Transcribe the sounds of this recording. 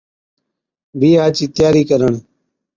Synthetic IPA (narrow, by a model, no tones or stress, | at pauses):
bʱiːaːt͡ʃiːt̪ɪjaːɾiːkəɾəɳ